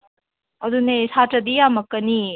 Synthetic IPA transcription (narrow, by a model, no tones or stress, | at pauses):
ɐd̪unesatɐd̪ijamɐkːɐni